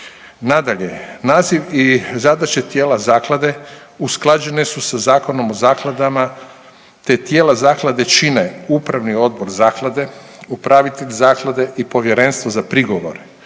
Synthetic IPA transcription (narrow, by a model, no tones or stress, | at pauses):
nad̪aʎe̞̰naːziʋizad̪at͡ʃet̪jeːlazaːklˠad̪e̞ | usklˠad͡ʒe̞ne̞susazaːko̞no̞mo̞zaːklˠad̪ama | t̪et̪jeːlazaːklˠad̪e̞t͡ʃineupɾaʋnio̞d̪̚bo̞ɾzaːklˠad̪e̞upɾaʋit̪eʎʲzaːklˠad̪e̞ʔipo̞ʋje̞ɾe̞nst̪ʋozapɾiɡo̞ʋo̞̰ɾe